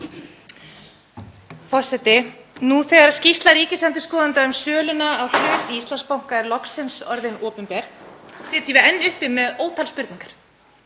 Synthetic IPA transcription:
fɔr̥sɛt̪ɪnuθɛɣaɾascist̪laɾiːcɪsɛnt̪ɪskɔːðant̪aʏmsœːlʏnaawhʏiist̪lanspawŋ̥kaɛɾlɔksɪnsɔɾðɪnɔːpʏmpɛɾ̥sɪːt̪ɪvɪɛnːʏhpɪmɛðoːwt̪ʰalspʏɾt̪niŋkḁɾ̥

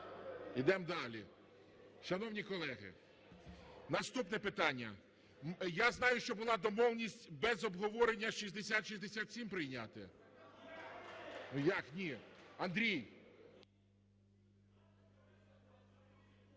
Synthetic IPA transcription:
id̪ɛmd̪ɑlʲḭ | ʃɐnɔwnʲikɔlˠɛɦɪ̰ | nɐst̪upnɛpɪt̪ɑnʲːɐ̰ | jaznɑjʊʃt͡ʃɔbʊlˠɑd̪ɔmɔlˠnʲisʲtʲbɛzɔbɦɔʋɔɾenʲːɐʃizʲd̪esʲat̪ʃizʲd̪esʲat̪sʲimpɾɪjnʲat̪ɪ | nʊjɑknʲiɐnd̪ɾʲij

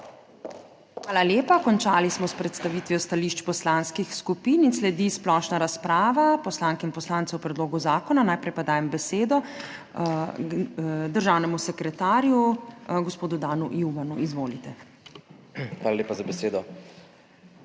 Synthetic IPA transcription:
xʋaːlaljeːpakɔnt͡ʃaːlismɔspɾɛt̪st̪aʋit̪ʋijɔst̪aliːʃt͡ʃpɔslanskixskupiːninslɛd̪isplɔʃnaɾaspɾaːʋapɔslaːŋkɛinpɔslaːnt̪ɛwpɾɛd̪loːɡuzaːkɔnanaːjpɾɛjpad̪aːjɛmbɛseːd̪ɔ | d̪əɾʒawnɛmusɛkɾɛt̪aːɾjuɡɔspoːd̪ud̪aːnṵjuʋanuʔizʋoːlit̪ɛ | xʋaːlaleːpazabɛseːd̪ɔ

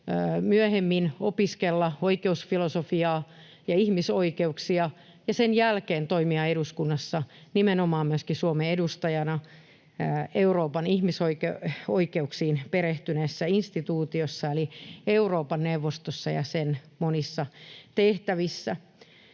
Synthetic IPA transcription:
myøhemːinopiskelːɑoikeusfilosofiɑː | jɑihmisoikeuksiɑ | jɑsenjælkeːnt̪oimiɑeɾuskunːɑsːɑnimenomɑːmyøskisuomeedust̪ɑjɑnɑ | euroːpɑnihmisoikeoikeuksiːnpereht̪yneːsːæinst̪it̪uːt̪iosːɑelieuroːpɑnneuʋːost̪osːɑjɑ̰senmonisːɑt̪eht̪æʋisːæ

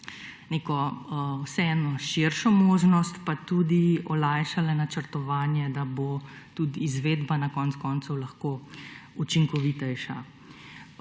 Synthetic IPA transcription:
neːkɔwsɛɛnɔʃiɾʃɔmoːʒnɔst̪pat̪ud̪iɔlajʃalanat͡ʃəɾt̪ɔʋaːnjɛd̪abo | t̪ud̪ːzʋeːd̪banakɔnt̪skɔːnt̪sɔwlɐxkoːut͡ʃiŋkɔʋit̪ɛjʃa

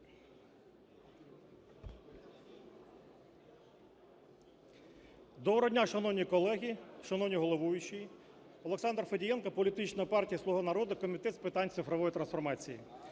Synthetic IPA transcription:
d̪ɔbɾɔdʲnʲaʃɐnɔwnʲijkɔlˠɛɦʲiʃɔnɔwnʲiɦɔlˠɔʋujʊt͡ʃij | ɔlˠeksɑnd̪rfedʲijɛnkɐpɔlʲit̪ɪt͡ʃnɔpɑrtʲijɐslˠɔɦɔnɐɾɔd̪ʊkɔmʲit̪ɛt̪spɪt̪ɑnʲt̪sɪfɾɔʋɔjit̪ɾɐnsfɔrmɑt͡sʲiji

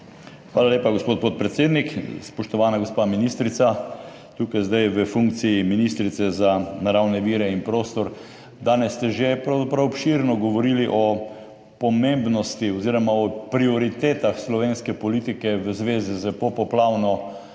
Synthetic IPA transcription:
xʋaːlaleːpaɡospoːt̪̚poːt̪̚pɾɛt̪seːd̪nikspɔʃt̪ɔʋaːnaɡospaːminist̪ɾit̪sa | t̪uːkajzd̪ajʋəfuŋk̚t̪sijiminist̪ɾit̪sɛzanaɾawnɛʋiːɾɛinpɾoːst̪ɔɾ | d̪aːnɛsːt̪ɛʒepɾawzapɾəwɔpʃiɾnɔɡɔʋɔɾiliʔɔ | pɔmẽmbnɔst̪iɔziɾɔmaɔpɾiɔɾit̪eːt̪axslɔʋeːnskɛpɔlit̪ikɛʋəzʋeːzizəpɔpɔplawnɔ

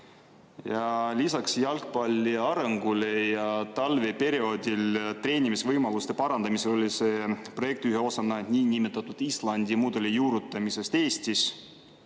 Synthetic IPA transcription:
jɑlisɑksjɑlk̚pɑlʲːiɑɾeŋɡ̥ulejɑt̪ɑlvepe̞ɾio̞d̪ʲilt̪ɾe̞ːnʲimisvɤjmɑlust̪e̞pɑɾɑnd̪ɑmiselo̞lʲise̞pro̞je̞k̚t̪yɦeo̞sɑnɑnʲiːnʲime̞t̪ːˑɑt̪ːˑud̪̥islɑnʲd̪ʲimuːd̪elʲijuːɾut̪ːˑɑmise̞st̪e̞ːst̪is

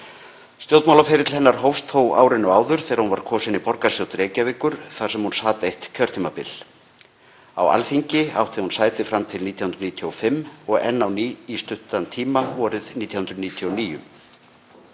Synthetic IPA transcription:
st̪jowt̪mawlafɛːɾɪt̪l̥hɛnːaɾ̥ɦowfst̪ʰoːwɣa̰ːwɾɪnɔaːwðʏɾ̥θɛːɾahunva̰ɾ̥kʰɔːsɪnːɪpɔɾkasjowt̪ɾɛːcavɪkʏɾ̥θḁsɛmhunsaːt̪ejht̪cʰœɾ̥t̪ʰiːmapɪ̰l̥ | a̰wa̰lθiɲcɪa̰wht̪ɪhunsaːjt̪ɪfɾamt̪ʰɪlniːt̪jahʏnɾniːt̪ʰjɔfɪmːɔɣɛ̰nːawniːist̪ʏht̪ant̪ʰiːmaɔːɾɪðniːt̪jahʏnɾʏðniːt̪ʰjɔniːjʏm

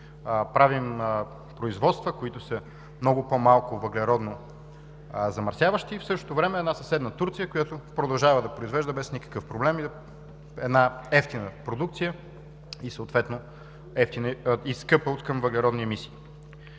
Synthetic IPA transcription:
pɾavim | pɾoizvɔt̪st̪vəkoit̪ʊsə | mnɔɡʊpomalˠkʊvəɡlɛɾɔd̪no | zɐmɐɾsjavəʃt̪ifsɤʃt̪o̥t̪ovɾɛmɛːd̪nasɐsɛd̪nət̪uɾt̪sijəkojat̪ʊpɾod̪ɐlˠʒavəd̪ɐpɾoizvɛʒd̪əbɛsnikə̥kəfpɾoblɛmi | ɛd̪naɛft̪inəpɾod̪uk̚t̪sijə | isəːt̪vɛt̪no | ɛft̪inəiskɤpət̪kəmvəɡlɛɾɔd̪niɛmisi̥ː

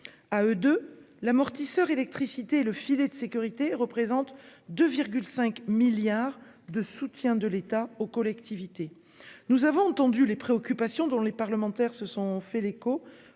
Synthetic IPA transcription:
aød̪ø | lamɔʁt̪isœʁelɛk̚t̪χisit̪eːləfiled̪əsekʲyʁit̪eʁəpχezɑ̃t̪d̪øviʁɡʲylsɛ̃kmiljaʁ | d̪əsut̪jɛ̃d̪əlet̪aokɔlɛkt̪ivit̪e | nuzavɔ̃ɑ̃t̪ɑ̃d̪ylepχeɔkʲypasjɔ̃d̪ɔ̃lepaʁləmɑ̃t̪ɛʁsəsɔ̃fɛleko

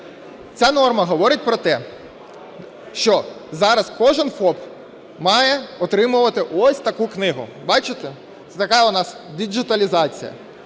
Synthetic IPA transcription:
t͡sʲanɔrmɐɦɔʋɔɾɪt̚ʲpɾɔt̪ɛ | ʃt͡ʃɔzɑɾɐskɔʒɪnfɔp | mɑjɛɔt̪ɾɪmʊʋɐt̪ɪʔɔsʲt̪ɐkuknɪɦʊ̰bɑt͡ʃɪt̪ɛ | sɛt̪ɐkɑʊnɑsd̪ʲid͡ʒɪt̪ɐlʲɪzɑt͡sʲḭjɐ̰

